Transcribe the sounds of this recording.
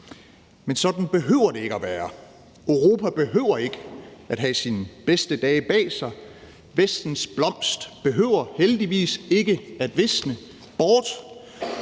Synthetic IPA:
mensɒ̽d̥n̩b̥e̝ɦøʊɐɾe̝e̝ɡ̥əæʋæːɐ | øʊʁo̝ːpʰæb̥e̝ɦø̰ʊ̰ɐe̝ɡ̥əæd̥ɦæsinb̥esd̥əd̥ɛːb̥ɛ̰ːsɑ̈ɪ | ʋesd̥n̩sb̥lɒ̽m̰sd̥b̥e̝ɦøʊ̰ɐheld̥iʋḭːse̝ɡ̥əæd̥ʋe̝snə | b̥ɒːd̥

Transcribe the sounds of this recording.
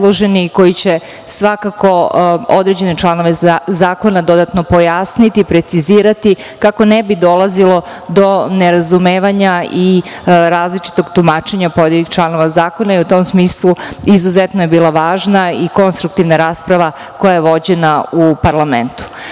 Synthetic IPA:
lˠoʒeniko̞jit͡ɕe | sʋakako̞o̞̰d̪ɾe̞d͡ʑe̞net͡ʃlˠano̞ʋezaːko̞nad̪o̞d̪at̪no̞po̞jasnit̪iːpɾet̪siziːɾat̪i | kako̞nebid̪o̞lˠazilˠo̞ | d̪o̞neɾazumeːʋaɲaiɾaːzlit͡ʃi̥t̪o̞ɡt̪umaːt͡ʃe̞ɲapo̞d̪jelʲixt͡ʃlˠano̞ʋazaːko̞naiut̪o̞msmiːslˠuizuzet̪noje̞biːlˠaʋaːʒnaiko̞nst̪ɾuk̚t̪iʋnaɾaːspɾaʋa | ko̞jajeʋo̞d͡ʑe̞naupaɾlˠament̪u̥

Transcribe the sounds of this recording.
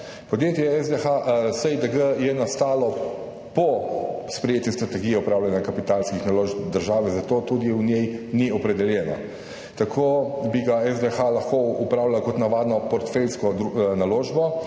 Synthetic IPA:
pɔd̪jeːt̪jɛɛzd̪exasəjd̪əɡəjɛnast̪aːlɔ | pɔspɾɛjeːt̪just̪ɾat̪ɛɡijɛupɾaːwlʲanjakapit̪alskixnaloʒbd̪əɾʒaːʋɛzat̪oːt̪ud̪iunjɛjniɔpɾɛd̪ɛljɛːna̰ | t̪akʰoːbiɡaɛzd̪exalaxkoupɾaːwlalakɔt̪naʋaːd̪nɔpɔɾt̪felskɔd̪naloːʒbɔ

